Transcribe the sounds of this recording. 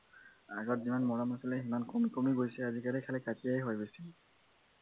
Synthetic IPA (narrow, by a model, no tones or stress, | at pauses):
aɡɔtzimanmɔɹamasilɛximankomikomiɡojsɛazikalikʰalɛkatiajɦojbesi